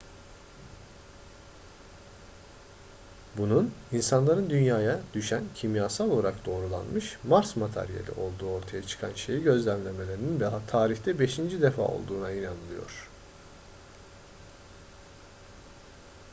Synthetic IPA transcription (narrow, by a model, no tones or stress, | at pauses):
bununinsanlˠaɾɯnd̪ynjaːjad̪̥yʃæncʰimjaːsalˠolˠaɾakd̪̥o̞ːɾulˠa̰nmɯʃmaɾsmat̪ʰa̰ɾijḛlʲḭʔo̞̰lˠd̪uːo̞ɾt̪ʰajat͡ʃʰɯ̥kʰanʃejiɟø̞zlʲæmlʲe̞me̞lʲeɾininbt̪ʰaːɾiçt̪ʰɛbe̞ʃind͡ʒid̪efa̰ːo̞̰lˠd̪uːnainanɯlˠɯjo̞̰ɾ̝̥